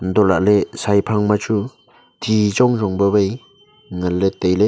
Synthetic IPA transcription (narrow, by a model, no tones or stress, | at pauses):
nd̪ɔla̰ʔlesajpʰaŋmat͡ʃu | tʰizɔŋzɔŋbəβej | ŋəlːet̪ejle